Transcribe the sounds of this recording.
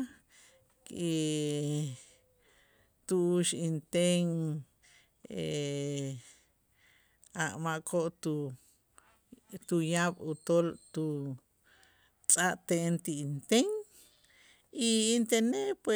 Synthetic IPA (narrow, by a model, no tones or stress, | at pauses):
ki | t̪uuʃint̪eŋ | e | aʔmaʔkʰoʔt̪u | t̪ujaɓut̪olt̪u | t͡sʼaʔt̪eʔent̪iint̪eŋ | iint̪enepwe